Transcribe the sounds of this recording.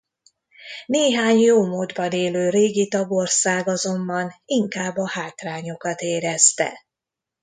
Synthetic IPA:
neːɦaːɲjoːmoːd̪bɒneːløːɾeːɡit̪ɒɡo̞rsaːɡɒzo̞mbɒniŋkaːbːɒhaːt̪raːɲo̞kɒt̪eːɾɛst̪ɛ̰

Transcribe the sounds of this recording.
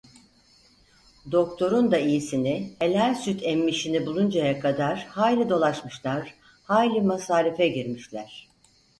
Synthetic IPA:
d̪o̞kt̪ʰo̞ɾund̪aijisinɪelʲælʲsyt̪ʰɛmːiʃinibulˠund͡ʒajakʰad̪aɾ̥haːjlʲid̪o̞lˠaʃmɯʃlˠaɾ̥ | haːjlʲimasaːɾifɛɟiɾmiʃlʲæɾ̥

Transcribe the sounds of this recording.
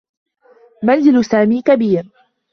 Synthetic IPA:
manzɪlsaːmiːkabiːɾ

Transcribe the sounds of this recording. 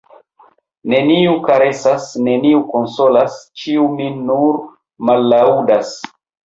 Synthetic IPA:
ne̞niukaɾe̞sasne̞niukonso̞last͡ʃiuminuɾ | malːaudas

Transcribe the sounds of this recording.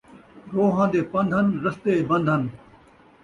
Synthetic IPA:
ɾoːɦãːd̪eːpɐ̃nd̪ʱənɾɐst̪eːbɐ̃nd̪ʱən

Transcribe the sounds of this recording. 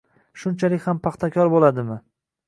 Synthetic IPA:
ʃʊnt͡ʃʰalɪkʲhampʰɑχt̪ʰakʲʰɒɾbolad̪ɪmɪ

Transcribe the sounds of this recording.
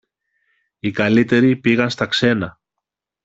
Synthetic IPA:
ikɐlit̪e̞ɾipiɣɐnst̪ɐkse̞nɐ

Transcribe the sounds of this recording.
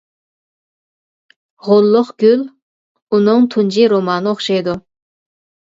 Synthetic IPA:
ʁolˠːʊχɡ̥ʲyl | unʊŋt̪ʰund͡ʒiɾomɑːnɨoχʃɑjd̪u

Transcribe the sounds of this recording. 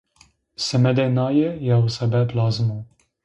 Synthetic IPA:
sɛmɛd̪ɛnajɛjawsɛbɛplaːzmu

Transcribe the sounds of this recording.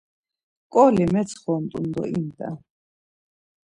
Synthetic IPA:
kʼɔlimɛt̪sʰχɔːmt̪ʼund̪ɔ̰int̪ʼa̰

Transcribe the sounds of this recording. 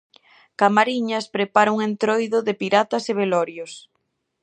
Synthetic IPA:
kamaɾiɲɐspɾepaɾʊuŋent̪ɾojðʊðepiɾat̪ɐseβelɔɾjos

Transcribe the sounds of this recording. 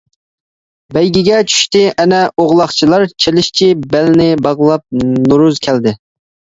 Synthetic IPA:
bɛjɡʲɪɡʲɛt͡ʃʰy̥ʃt̪ɪʔɛnɛoʁlˠɑχt͡ʃʰilˠɑɾt͡ʃʰelɪʃt͡ʃʰibɛlnɪbɑʁlˠɑp̚nuɾuzkʲʰæld̪ɪ

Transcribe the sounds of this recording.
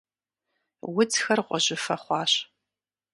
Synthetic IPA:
wʊt͡sxɐrʁʷɔʑɪfɐχʷɑːɕ

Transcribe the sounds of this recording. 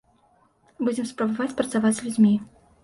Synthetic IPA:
bud͡zʲɛmspɾɐbavat͡sʲpɾɐt̪savad͡zʲzʲlʲud͡zʲmʲi

